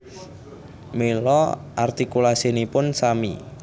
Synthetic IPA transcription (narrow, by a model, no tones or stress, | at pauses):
melɔʔart̪ikulasinipʊnsamḭ